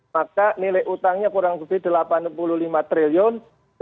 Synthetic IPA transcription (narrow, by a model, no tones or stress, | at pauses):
akanilɪʔut̪aŋɲakuɾaŋkovid̪̚dəlapanpululimat̪ɾiliɔn